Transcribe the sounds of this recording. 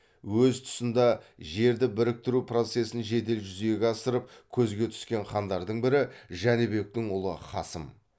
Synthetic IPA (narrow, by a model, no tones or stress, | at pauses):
wɵzt̪ʰʊ̥sənd̪ɑʒe̞ɾd̪ɪbɪɾɪk̚t̪ɪɾupro̞t̪se̞sənʒe̞d̪e̞lʒʏzeɡʲeɑsəɾəp̚kʲʰɵzɡʲe̞t̪ʰʏ̥skʲe̞ɴχɑnd̪ɑɾd̪əɴbɪɾɪʒænɪbe̞k̚t̪ɪŋʊlˠə̰χɑsəm